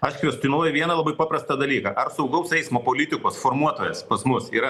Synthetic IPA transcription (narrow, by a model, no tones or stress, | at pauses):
ɐʃkʲʋʲɛst̪ʲɪnoɔjʊʋʲiɛnɐlˠɐbɐɪpɑːpɾɐst̪ɐd̪ɐlʲiːkɐʔɐrsɐʊɡɐʊsɛɪsmoːpoːlʲɪt̪ʲɪkoːsfoːrmuɔt̪oːjɛspɐsmʊsiːɾɐ